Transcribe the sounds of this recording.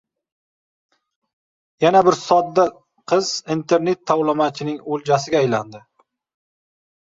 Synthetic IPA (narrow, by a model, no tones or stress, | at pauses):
janabɪɾsɒd̪ːa | qʰɨzint̪ʰe̞ɾne̞t̪ʰːawlˠɪmat͡ʃʰɪnɪŋold͡ʒasɪɡʲaːjland̪ɪ